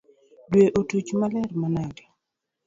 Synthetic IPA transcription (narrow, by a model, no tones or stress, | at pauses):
dweʔotut͡ʃmalɛrmanaɡɛ